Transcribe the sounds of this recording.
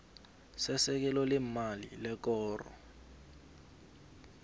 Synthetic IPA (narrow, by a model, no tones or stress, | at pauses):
sɛsɛk̬ɛlɔlɛmalḭlɛkɔːrɔ̰